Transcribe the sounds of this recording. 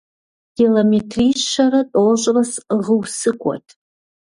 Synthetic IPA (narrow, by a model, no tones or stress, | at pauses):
ɡ̥ilometʰriʃʃaratʼoʒʷʼrasʁəwsɨkʷʰʼa̰tʼ